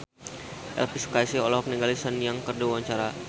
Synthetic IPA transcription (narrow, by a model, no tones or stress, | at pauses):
ʔɛ̰lpiskajsiolɔhɔk̚niŋɡalisənjaŋkərduawaɲt͡ʃaɾa